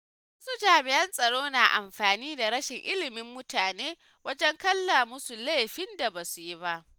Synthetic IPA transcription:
wɐ˦su˦d͡ʒaː˨mɪ˨jɐ˦nsʼɐ˨ɽoː˦naː˨ʔa̰˨mɸaː˨niː˦da˨ɾɐ˦ʃɪ˨ŋʔɪ˦lɪ˨mɪ˦mːʊ˦taː˨neː˦ | wɐ˦d͡ʒɛ˦ŋkɐ˦lːa˨mʊ˦su˨le˦ɸɪ˦nda˨baː˨su˨ji˦ba˦ʔ

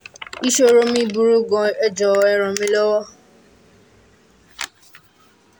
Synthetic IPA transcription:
i˦ʃo˦ɾo˦mĩ˦bu˨ɾu˦ɡɔ̃˨ɛ˦d͡ʒɔ˨ɛ˦ɾ̃ɔ̃˨mĩ˦lɔ˦wɔ˦

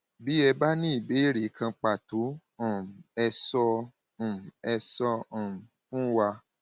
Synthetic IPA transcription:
bi˨˦ɛ˧ba˦nĩ˦i˦˨be˨˦ɾi˨˦kʰã˧k͡pa˨to˨˦ | ɔ̃˨ɛ˧sɔ̃˧˨ | ɛ˧sɔ̃˧˨m̩˨fũ˦wa˧

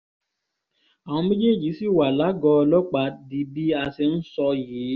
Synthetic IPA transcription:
a˨w̃ɔ̃˧me˦d͡ʒe˦˨d͡ʒi˨˦si˦˨wa˨la˨˦ɡɔ˧lɔ˦k͡pa˨˦di˧bi˦a˧se˧n̩˦sɔ˧jiː˨˦

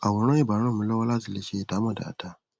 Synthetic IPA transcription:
a˨wɔ˨ɾɔ̃˦jɛ˦˨ba˨ɾ̃ɔ̃˦˨mũ˦lɔ˦wa˦la˦zɪ˨le˦ʃe˦˨da˨˦ma˨da̰˨tʰa˦

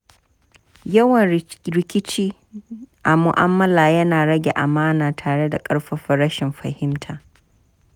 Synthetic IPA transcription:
jɐ˦wɐ˨nɾɪ˨kʲɪ˦t͡ʃiː˦ | ʔa˨mʊ˨ʔa̰˦mːɐ˦laː˨jɐ˦naː˨ɽɐ˦ɡʲe˨ʔa˨maː˦naː˨tʰaː˨ɽe˦da˨kʼɐ˦ɽɸɐ˦ɸɐ˦ɾɐ˦ʃɪ˨mɸɐ˨hɪ˦mtʰaː˨

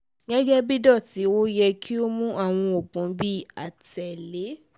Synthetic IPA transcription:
ɡɛ˦ɡɛ˦bi˦dɔ˦˨ti˨˦wo˦jɛ˧kʰi˦o˦mũ˦ʔa˦˨w̃ɔ̃˧o˨k͡pũ˨˦bi˦˨a˨tɛ˨le˨˦

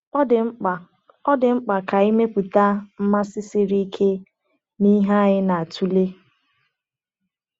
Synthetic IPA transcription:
ɪ˨˦˨ | ɔ˦dɪ˨ŋ͡m̩˦k͡pa˨ka˨i˦me˦pu˨ta˦m̩˦ma˦sɪ˦sɪ˦ɾi˦kʰe˦ | ni˦ɦa˦ɲɪ˦na˨a˨tʰu˦le˦

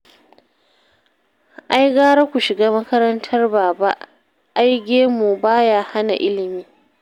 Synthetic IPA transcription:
ʔa˦jɡaː˦ɾa˦kʷu˨ʃɪ˨ɡaː˦mɐ˦kɐ˦ɾɐ˦ntʰɐ˦rbaː˨ba˦ʔ | ʔa˦jɡʲeː˦mu˨baː˦jaː˦ha˦na̰˨ʔɪ˦lɪ˨miː˦

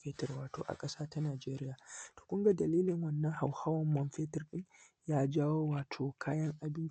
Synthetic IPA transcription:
fɛ˦tɐ˨rwaː˨to̰ː˨ʔa̰˨kʼɐ˦saː˦ta˦naː˨d͡ʒeː˦ɾɪ˦jaː˨to̥ː˨kʷʊ˦ŋɡa˨dɐ˨liː˦lɪ˨ŋwɐ˦˨nːɐ˦ŋha˨whaː˦wɐ˨mːɔ˨˦nɸɛː˦tɪ˦rɗɪ˦ŋ | jaː˦d͡ʒaː˦woː˦waː˨tʰoː˨kʰaː˦jɐ˦ŋʔa˨bɪ˦nt͡ʃ

